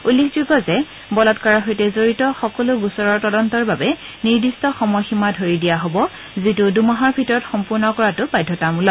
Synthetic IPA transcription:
ulːekʰzuɡɔzɛ | bɔlɔtkaɹaɦojtɛzoɹitɔxɔkɔlʊɡusɔɹɔɹtɔdɔntɔɹbabɛ | niɹdistɔxɔmɔjximadʱoɹidijaɦobɔ | zitʊdumaɦɔɹbʱitɔɹɔtxɔmpʊɹnɔkɔɹatʊbajdʱɔtamulɔ̃

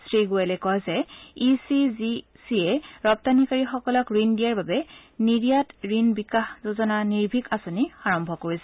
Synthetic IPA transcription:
sɹiɡoɛlɛkɔjzɛisizi | siɛɹɔp̚tanikaɹixɔkɔlɔkɹindiaɹbabɛniɹijatɹinbikaxzozɔnaniɹbʱikasonixaɹɔmbʱɔkoɹisɛ

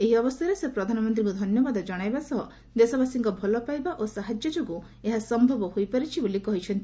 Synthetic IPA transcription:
eɦiɔbɔst̪ʰaɾesepɾɔd̪ʱanɔmɔnt̪ɾiŋkud̪ʱɔnjɔbad̪ɔd͡ʒɔɽ̃ajbasɔɦɔ | d̪esɔbasiŋkɔbʱɔlɔpajbaʔosaɦad͡ʒjɔd͡ʒoɡu | eɦasɔmbʱɔbɔhojpaɾit͡ʃʰibolikɔɦit͡ʃʰɔnt̪i

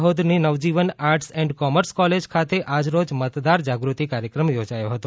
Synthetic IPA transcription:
ɦod̪ninəʋd͡ʒiʋənaɾʈsɛ̃ɳɖkɔməɾskɔled͡ʒkʰat̪eʔad͡ʒɾod͡ʒmət̪d̪aɾd͡ʒaɡɾut̪ikaɾjəkɾəmjod͡ʒajoɦət̪õ

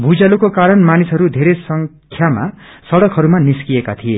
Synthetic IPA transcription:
bʱud͡zalukokaɾʌnmanisɦʌɾud̪ʱeɾesʌŋ | kʰjama̰ | sʌɽʌkʰɦʌɾumaniskijekat̪ʰije

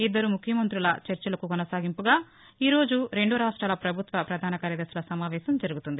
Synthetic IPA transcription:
id̪ːɐɾumukʰjɐmɐnt̪ɾulɐt͡ʃɐɾt͡ʃɐlɐkukɔnɐsaːɡimpuɡaː | iːɾo̞ːd͡ʒuɾe̞ɳɖuɾaːʂʈɾaːlɐpɾɐbʱut̪ʋɐpɾɐd̪ʱaːnɐkaːɾjɐd̪ɐɾsulɐsɐmaːʋɛːsɐmd͡ʒɐɾuɡut̪und̪i

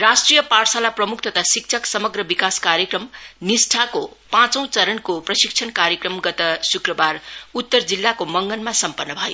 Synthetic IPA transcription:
rasʈrijʌparsalaprʌmukʰt̪ʌt̪ʰasik̚t͡sʰʌksʌmʌɡrʌbikaskaɾjʌkrʌmnisʈʰako | pãt͡sʌ̃w̃t͡sʌɾʌnkoprʌsik̚t͡sʰʌnkaɾjekrʌmɡʌt̪ʌsukrʌbarut̪ːʌrd͡zilːakomʌŋɡʌnmasʌmpʌnːʌbʱʌjo̰

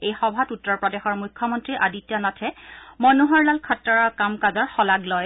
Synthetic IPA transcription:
ejxɔbʱatutːɔɹpɹɔdɛxɔɹmukʰːɔmɔntɹiʔaditːɔnɔtʰɛmɔnuɦɔɹlalkʰɔtːɔɹɔkamkazɔɹxɔlaɡlɔj

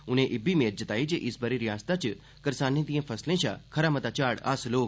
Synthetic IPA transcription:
ʊnẽʔɪbimeːɾ̚d͡ʒɐt̪aːid͡ʒeʔɪsbəɾiɾijãːst̪at͡ʃ | kɐɾsaːnẽt̪ijẽːfʰɐslẽːt͡ʃʰa̰ːkʰɐɾaːmət̪at͡ʃaːɽa̰ːsloː

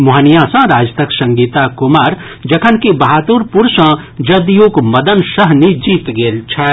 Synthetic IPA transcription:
muɦənijãsãɾaːd͡ʒt̪ʰəksɐ̃ŋɡiːt̪akʊmaːɾ | d͡ʒɐkʰənkibɐɦaːt̪uɾpuɾsã | d͡ʒɐd̪joːkmɐd̪ənsəɦnid͡ʒiːt̪ɡelt͡ʃʰɛ

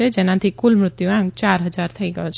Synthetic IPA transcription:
ed͡ʒeːnãt̪ʰikʊlmɾʊt̪juãŋɡ̚t͡ʃaːɾɦəd͡ʒaːɾt̪ʰəiɡəjot͡ʃʰ

